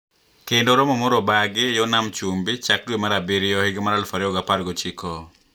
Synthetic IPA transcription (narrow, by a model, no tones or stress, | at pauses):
kendoɾɔmɔmoɾɔbaɡɪjɔnamt͡ʃumbit͡ʃak̚dwemaɾabiɾɪjɔhɪɡmaɾalfaɾɪɔɡapaɾɡot͡ʃikɔ